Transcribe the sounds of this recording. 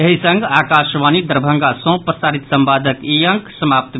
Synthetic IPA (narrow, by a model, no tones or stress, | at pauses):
eɦisə̃ŋɡaːkaːʃʋanid̪əɾbʱə̃ŋɡasɔ̃pɾəsaːɾit̪sə̃mbaːd̪ʱəkijə̃ŋksəmaːp̚t̪